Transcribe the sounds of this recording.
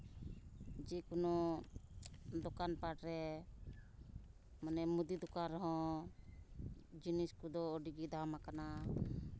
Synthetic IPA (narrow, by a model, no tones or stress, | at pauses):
d͡ʒikunɔ | d̪ɔkanpaʈɾɛ | manɛmud̪id̪ukaɾɔɦɔ̃ | d͡ʒiniskud̪ɔːɖiɡid̪ʱamakana